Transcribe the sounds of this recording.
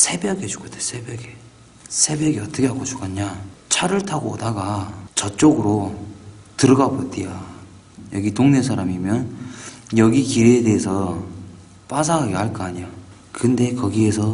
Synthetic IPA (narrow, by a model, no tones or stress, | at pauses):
sʰe̞bjʌɡet͡ɕu̥kʰotesʰe̞bjʌɡe | sʰe̞bjʌɡiʌt͈ʌkʰe̞ɦaɡot͡ɕu̥ɡʰaɲɲat͡ɕʰaɾɯɭtʰaɡodaɡat͡ɕʌt͡ɕ͈oɡɯɾo | tɯɾɯɡabotia | jʌɡitoŋne̞s̬ʰaɾamimjʌn | jʌɡikiɾeːde̞ɦːsʰʌ | p͈as̬ʰaɦaɡeɦaɭk͈aaɲija | kɯnde̞kʌɡie̞sʰʌ